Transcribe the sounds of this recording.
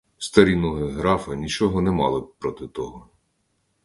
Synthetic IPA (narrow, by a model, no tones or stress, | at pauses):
st̪ɐɾʲinɔɦeɦɾɑfɐnʲit͡ʃɔɦɔnɛmɑ̰lˠɪpɾɔt̪ɪt̪ɔɦɔ